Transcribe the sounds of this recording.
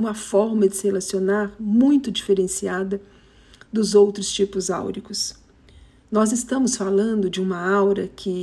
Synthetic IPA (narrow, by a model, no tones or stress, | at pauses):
ũmɐfɔɾmɐd͡ʒɪ̥sɪhelasionaɾmũj̃t̪ʊd͡ʒifeɾẽsiad̪ɐ | d̪ʊzowt̪ɾʊst͡ʃipʊza̰wɾikʊs | nɔzɪst̪ɐ̃mʊsfalɐ̃nd̪ʊd͡ʒɪũmɐawɾɐkʰɪ